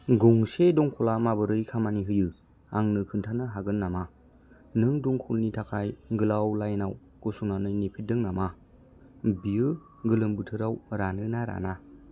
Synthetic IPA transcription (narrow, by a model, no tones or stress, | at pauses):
ɡɔŋsedɔŋkʰɔlamabɯɾɯjkʰamaniɦɯjɯ | aŋnɯkʰɯntʰanɯɦaɡɯnːama | nɯŋduŋkʰulnitʰakʰajɡɯlawlajnaw | ɡ̥osunanɯjnipʰit̚dɯŋnama | biɯ | ɡɯlɯmbɯtʰɯɾawɾanɯnaɾa̰na